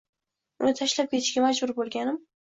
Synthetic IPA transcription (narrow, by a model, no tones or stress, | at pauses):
ʊnɪt̪ʰaʃlap̚kʲʰe̞t̪ʰɪ̥ʃkʲamad͡ʒbʊɾbolˠɡʲanɪm